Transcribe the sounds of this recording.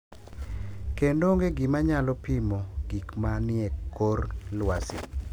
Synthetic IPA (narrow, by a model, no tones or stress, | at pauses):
kendoŋɡeɡɪmaɲalɔpimoɡ̥ikmanɪɛkːorlwasḭ